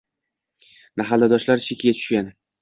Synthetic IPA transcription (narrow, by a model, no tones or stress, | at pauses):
maɦalːad̪ɒʃlaɾt͡ʃʰekʲɡʲat̪ʰʊ̥ʃkʲan